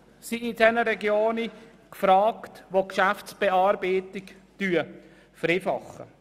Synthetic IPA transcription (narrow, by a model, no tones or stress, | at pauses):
siɪdɛnəɾɛɡjoːni | kfɾaːktʋokʃaftsb̥eɑːɾbeːtɪktyːə | fəɾeːfɑ̰χə̰